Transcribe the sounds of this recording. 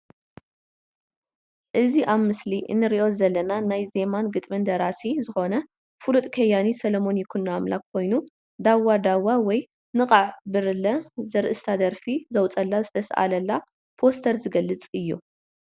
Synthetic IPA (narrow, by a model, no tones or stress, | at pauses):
ʔɨziʔaβmɨsliʔɨ̰nːɨɾiʔo̞zɐlːɐnanajze̞manɡɨt̪ʼmɨnd̪ɐɾasizɨxo̞nɐ | fulut̪ʼkʰɐjanisɐlomo̞njɪkʰunːaamlakʰːo̞jnu | d̪awːad̪awawɔj | nɨqʼaʕbɨɾɨlːɐzɐɾʔɨst̪ʰad̪ɐɾfizɐwt͡sʼɐlːazɨt̪ʰɐsʔa̰lɐlːa | pʰo̞st̪ʰɐɾzɨɡɐlːɨt͡sʼɨjːu